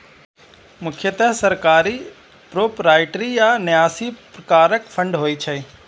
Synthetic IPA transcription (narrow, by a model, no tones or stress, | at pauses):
mʊkʰjət̪ɐɦsɐɾkaːɾi | pɾoːpɾaːɪʈɾijanjaːsipɾɐkaːɾəkfʰɐ̃ɳɖɦoːit͡ʃʰɐi